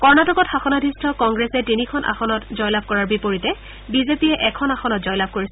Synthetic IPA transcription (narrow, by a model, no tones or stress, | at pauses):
kɔɹnatɔkɔtxaxɔnadʱistʰɔkɔŋɡɹesɛtinikʰɔnʔa̰xɔnɔtzɔjlab̚ʱkɔɹaɹbipoɹitɛ | bizepijɛʔɛkʰɔnaxɔnɔt̚zɔjlab̚ʱkoɹis